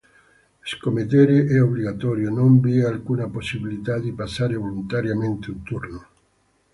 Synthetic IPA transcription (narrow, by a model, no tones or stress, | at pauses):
skomet̪̬eːɾeʔɛobliɡat̪ɔːɾjonombiɛalkuːnaposːibilit̪ad̪ipasːaːɾevolunt̪aɾjament̪eunt̪urno